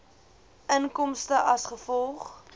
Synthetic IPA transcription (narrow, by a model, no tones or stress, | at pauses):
ʔənkɔmstəʔɐsχəfɔlˠχ